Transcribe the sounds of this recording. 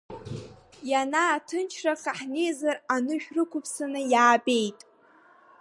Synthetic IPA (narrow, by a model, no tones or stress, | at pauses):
janaːtʰɨnt͡ʃʰraχaħnejzaranɨʃᶣrɨkʷʰʊpʰsanɨjaːbe̞jtʼ